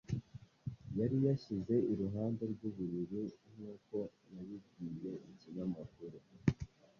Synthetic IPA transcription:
jaɾijaçize̞iɾuɦaːnde̞ɾɡuβuβiɾin̥uːko̞ | naβib̚ɡiːje̞iciɲamakuɾu

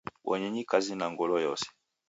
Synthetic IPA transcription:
wʔɔ̰ɲɛɲikazinaŋɡɔlɔjɔsɛ̥

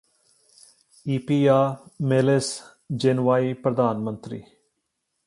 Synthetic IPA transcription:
iːpiːaːmeles | d͡ʒenʋaːiːpɾəd̪aːnmə̃nt̪ɾḭː

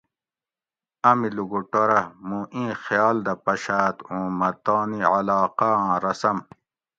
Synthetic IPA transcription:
ɐmiluɡoʈoɾɐmũʔĩːxjɑːld̪ɐpɐɕaːt̪ũːmɐt̪ɑːniʕɐlɑːqaãːɾɐsɐm

